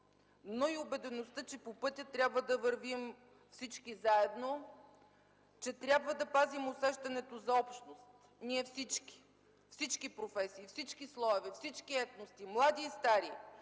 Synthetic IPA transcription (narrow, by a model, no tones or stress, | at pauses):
noiʊbɛd̪ɛnost̪ət͡ʃɛpopɤt̪ʲɐt̪ɾʲabvəd̪ɐvəɾvim | fsit͡ʃkizaɛd̪no | t͡ʃɛt̪ɾʲjabvəd̪ɐpazimʊsɛʃt̪ɐnɛt̪ozɐɔpʃnost̪ | niɛfsit͡ʃki̥ | fsit͡ʃkipɾofɛsiːfsit͡ʃkislˠɔɛvɛfsit͡ʃkiɛt̪nost̪imlˠad̪iːst̪aɾi